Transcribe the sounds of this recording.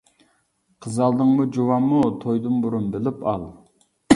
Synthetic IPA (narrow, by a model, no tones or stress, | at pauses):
qʰəzɑlˠd̪ɨŋmud͡ʒuwɑmːut̪ʰojd̪ɨnbuɾunbɪlɪpɑ̰lˠ